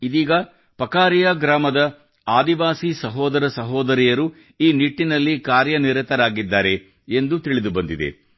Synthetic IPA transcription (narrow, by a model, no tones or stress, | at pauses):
id̪iːɡɐ | pɐkaːɾijaːɡɾaːmɐd̪ɐ | aːd̪iʋaːsisɐɦɔːd̪ɐɾɐsɐɦɔːd̪ɐɾijɐɾu | iːniʈːinɐlːikaːɾjɐniɾɛt̪ɐɾaːɡid̪ːaːɾe̞ | end̪ut̪iɭid̪ubɐnd̪id̪ḛ